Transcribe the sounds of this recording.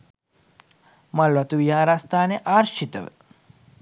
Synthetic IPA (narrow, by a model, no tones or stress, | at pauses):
mɐlʋɐt̪uʋjaːɾast̪ʰaneʔaːɾʃit̪əʋḛ